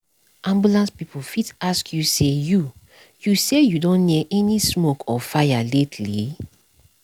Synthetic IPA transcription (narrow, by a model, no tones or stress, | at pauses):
ʔãmbulãnspipolfitaskʰjuseju | jusejudõnːiʔɛnismokʰɔfajaletʰli